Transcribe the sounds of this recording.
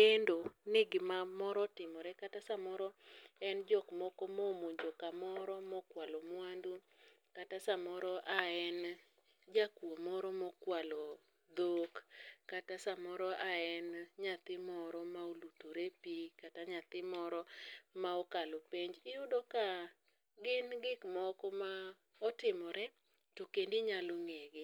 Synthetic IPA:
kendonɪɡɪmamɔɾɔtɪmɔɾɛkatasamɔɾɔɛnd͡ʒɔkmɔkomomoɲd͡ʒokamɔɾɔmɔkwalɔmwandu | katasamɔɾɔʔaɛn | d͡ʒakwomɔɾɔmɔkwalɔ | d̪okːatasamɔɾɔʔaɛnɲat̪ɪmɔɾɔmaolutoɾepikataɲat̪ɪmɔɾɔmaɔkalopeɲd͡ʒɪʊdɔka | ɡɪnɡɪkmɔkɔma | ɔtɪmɔɾɛ | tokendiɲaloŋeɡɪ

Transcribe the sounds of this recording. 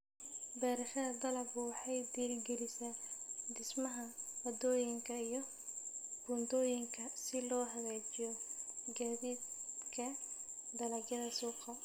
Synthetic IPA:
bɛːɾɐʃɐðɐd̪ɐlɐbʊwɑħɑjd̪iːlɡɛlɪsaːd̪ɪsmɐɦɐɐd̪ɔːjɪŋkʰɐijɞ | b̥ʊnd̪ɔːjɪŋkʰɐsɪlɔːɦɐɣɛːt͡ʃɪjɔɡɐβɪdkʰɐd̪ɐlɐɡjɐðɐsuːqɐ

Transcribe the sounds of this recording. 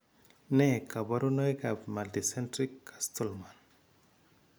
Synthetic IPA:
nekabaɾunɔjkapmalt̪isentɾikːḁst̪ɔlman

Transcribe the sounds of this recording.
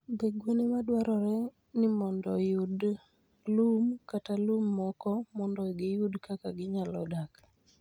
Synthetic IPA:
beɡwonemadwaɾɔɾɛ | nɪmɔndɔjʊd | lumkatalumːɔkɔmɔndɔɡɪjʊdkakaɡɪɲalɔdak

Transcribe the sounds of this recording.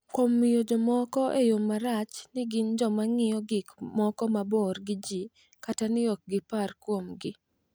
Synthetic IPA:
komːijod͡ʒɔmɔkɔʔejomːaɾat͡ʃnɪɡɪnd͡ʒɔmaŋɪjɔɡɪkmɔkɔmabɔrɡɪd͡ʒi | katanɪɔk̚ɡɪparkwomɡɪ

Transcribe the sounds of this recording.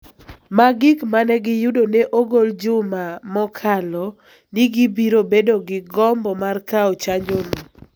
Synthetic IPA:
maɡɪkmanɛɡɪjʊdoneʔoɡold͡ʒʊmamɔkʰalɔ | niɡibiɾobedoɡɪɡɔmbɔmarkaɔt͡ʃaɲd͡ʒolɔ

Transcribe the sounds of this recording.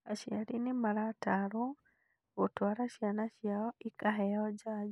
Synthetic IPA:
aʃiaɾinemaɾataɾo | otwaɾaʃjanaʃjaɔikaɦɛɔd͡ʒad͡ʒ

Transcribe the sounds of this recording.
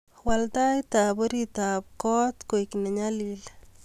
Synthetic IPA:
waltajtaboɾitap̚kɔt̪kojkineɲalil

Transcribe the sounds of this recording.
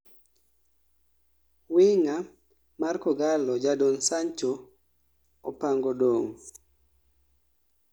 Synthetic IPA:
wɪŋa | markɔɡalɔd͡ʒadonsaɲt͡ʃo | opaŋɡodoŋ

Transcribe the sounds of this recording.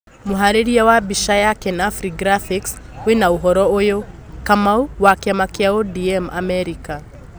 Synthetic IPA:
muɦaɾiɾiawabiʃajakɛnafɾiɡɾafikswinauɦɔɾɔojɔ | kamauwakiamakiaɔdiɛmʔa̰mɛɾika

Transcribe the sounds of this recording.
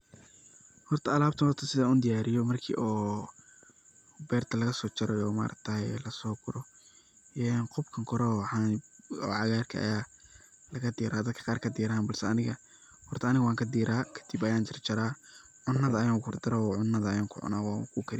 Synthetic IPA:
hɔrt̪ʰɐɐlaːbt̪ʰɐnhɔrt̪ʰɐsɪðɐuːnd̪ɪjaːɾɪjɔmɐrkʰḭːʔɔː | bɛːrt̪ʰɐlɐɣɐsɔːt͡ʃɐɾɛjɔːma̰ːɾʔɐ̰k̚t̪ʰɐjlɐsɔːɡʊɾɔ | ʔɛːnqɔbkʰɐŋkʰɔɾɔħaːnɔ̰ːʕɑɣaːrkʰɐ̰ʔɐ̰jaː | lɐɣɐd̪iːɾaːd̪ɐd̪kʰɐ̥qɑːrkʰɐd̪iːɾaːnbɐlsɛɐnɪɣɐ | hɔrt̪ʰɐːnɪɣɐwaːŋkʰɐd̪iːɾaːkʰɐ̥d̪̥ibɐjaːnt͡ʃɪrt͡ʃɐɾaː | ʕʊnːɐðɐːjaːŋhʊrd̪ɪɾɔʕʊnːɐðɐːjaːŋkʰʊ̰ʕʊ̰naːwaːkʰʊkʰɐɾɪ

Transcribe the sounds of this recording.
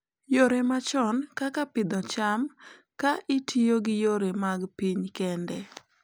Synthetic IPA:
joɾemat͡ʃɔnkakapɪd̪ɔt͡ʃam | kaʔɪtʰioɡɪjoɾemaɡpiɲkɛndɛ

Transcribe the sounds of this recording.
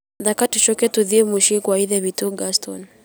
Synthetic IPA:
ðakatuʃɔkɛtuðiemuʃikwaiðɛβituɡastɔn

